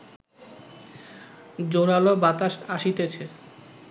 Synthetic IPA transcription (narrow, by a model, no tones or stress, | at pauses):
d͡ʑoɾalobat̪aʃaʃit̪et͡ɕʰe